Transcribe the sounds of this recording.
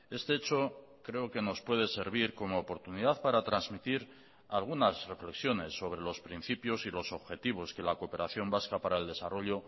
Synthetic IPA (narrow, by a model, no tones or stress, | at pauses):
e̞st̪e̞et͡ʃo̞ | kɾe̞oke̞no̞spwe̞ð̞e̞se̞ɾβ̞iɾko̞mo̞ːpo̞ɾt̪uniðaθpaɾat̪ɾanzmit̪iɾ | alɣ̞unazre̞fle̞ksjo̞ne̞sːo̞β̞ɾe̞lo̞spɾin̟θipjo̞silo̞so̞βxe̞t̪iβ̞o̞ske̞lakope̞ɾaθjo̞mbaskapaɾae̞ld̪e̞sarʔo̞ʎo̞